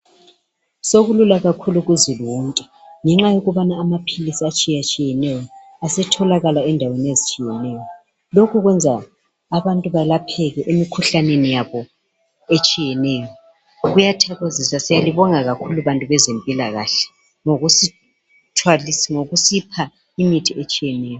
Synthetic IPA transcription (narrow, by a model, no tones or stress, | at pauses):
soɣululaɣakʰuluɣuziluwuntʼɛ̥ | ŋɛŋ͡ǁajoɣuβanaːmapʰilisiat͡ʃʼijat͡ʃʼijɛnɛjɔ | asɛtʰɔlaɣalaɛndʱawenezit͡ʃʼijɛnɛːjɔ | lokʰuɣwɛnd͡zʱaː | βantʼuβalapʰɛɣɛʔimikʰuɬanenijaβɔ | et͡ʃʼijɛnɛːjɔ | ɣujatʰaɣozisasijaliβɔŋaɣakʰuluβantʼuβɛzempʼilaɣaɬɛ̥ | ŋoɣusi | tʰwalisŋoɣusipʰa | imitʰiet͡ʃʼijɛnɛːjɔ